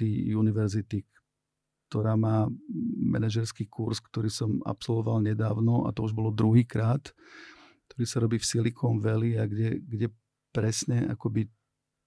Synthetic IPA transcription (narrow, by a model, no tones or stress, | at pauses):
ijuniʋɛɾzit̪ik | t̪ɔɾaːmaːmɛ̰naʒɛɾskiːkuɾskt̪ɔɾiːsɔma̰psɔlʋɔʋalɲɛd̪aːʊnɔʔa̰t̪ɔuʒbɔlɔd̪ɾuɦiːkɾaːt̪ | kt̪ɔɾiːsaɾɔbiːfsilikʰɔmʋɛliaɡɟɛɡɟɛ | pɾɛsɲɛʔa̰kɔbi